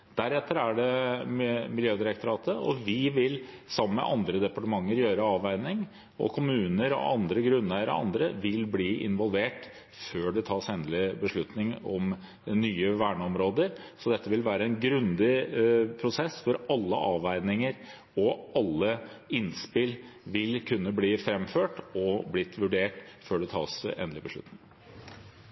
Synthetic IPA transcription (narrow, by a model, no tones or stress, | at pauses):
d̪̥æɾɛt̪ʰːəɾæɖɛ | mɪljøːd̪ɪɾək̚t̪ʰʊɾɑːt̪ʰəʔɔʋɪʋɪlsɑmːəmɛ̰ʔɑnd̪ɾəd̪ɛpɑʈəmɑŋːəɾjøːɾəɑːʋæɪnɪŋ | ɔ̰kʰʊmʉːnəɾɔ̰ʔɑnd̪ɾəɡɾʉnːəɾ̰ɑ̰nd̪ɾəʋɪlbliːʔɪ̰nʋɔlʋeːʈ | føːɖɛt̪ʰɑːʂɛnd̪lɪbəʂɭʉt̪nɪŋɔm | nyːəʋæːɳəɔmɾoːd̪əɾsɔd̪ɛt̪ʰːəʋɪlʋæːɾəɛnɡɾʉnd̪ɪpʰɾʊsɛsːfɔɾɑlːə̰ʔɑːʋæɪnɪŋəɾ | ɔʔɑlːəɪnspɪlʋɪlkʰʉnːəbliːfɾɛmføːʈɔblɪt̪ːʋʉɖeːʈføːɖɛt̪ʰɑ̰ːsḛnlɪbəʂɭʉ̰t̪nɪŋ